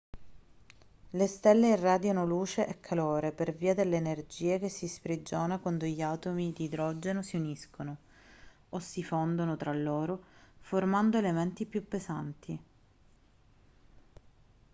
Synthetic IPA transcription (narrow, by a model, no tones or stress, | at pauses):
lest̪ɛlːeːrːaːd̪janoluːt͡ʃeʔekʰːaloːɾeperviːad̪elːeːnerd͡ʒiːekesːisfɾid͡ʒoːnakwand̪oʎiat̪omid̪iːd̪ɾɔd͡ʒenosiuniskono | osːifond̪onot̪ɾalːoːɾoformand̪oelement̪ipːjupːesant̪ʰi